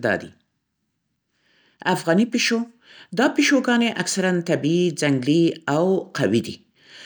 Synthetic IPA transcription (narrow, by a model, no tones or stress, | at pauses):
d̪ɑ̰d̪ḭ | afɣɑnipiʃo | d̪ɑpiʃoɡɑneʔaksaɾant̪abiid͡zaŋɡliawqawid̪ḭ